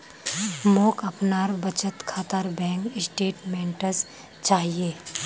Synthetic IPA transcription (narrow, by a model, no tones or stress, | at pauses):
moːkɐpnaːɾbət͡ʃət̪kʰaːt̪aːɾbɛ̃ːŋkɪsʈeːʈmɛ̃ːɳʈəs | t͡ʃaːɦieː